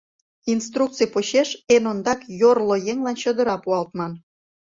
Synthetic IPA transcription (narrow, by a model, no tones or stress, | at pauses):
inst̪ruk̚t͡sɨjpoɕeʃenond̪ɑkjorlojeŋlɑnt͡ɕod̪ə̆ɾɑpuɑlt̪mɑn